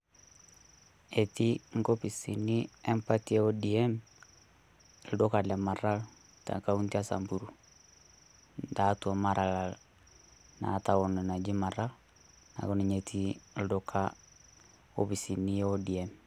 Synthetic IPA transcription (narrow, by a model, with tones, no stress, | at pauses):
e˨ti˦ŋ̩˦ɡo˦pi˨si˨ni˦ɛ˦mpa˦ti˦e˦o˦di˨ɛ˦m | ldo˦ka˨lɛ˨ma˨ra˦l | ta̰˨ka˦u˦nti˦a˦sa̰˨mbu˨ɾu˨ | nda˨˦twɔ˨ma˦ɾʔa˨la˨l | na̰˨˦ta˨wɔ˨nɛ˨na˨d͡ʒi˦ma˨ra˦l | na̰˨ko˦ni˨ɲe˨tʰi˦l̩˦do˦kʰa | o˦pi˨si˨ni˦o˦di˨ɛ˦m